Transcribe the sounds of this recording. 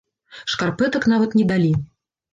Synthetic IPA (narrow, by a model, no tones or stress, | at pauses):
ʂkarpɛt̪ɐknavɐt̪nʲɛd̪alʲi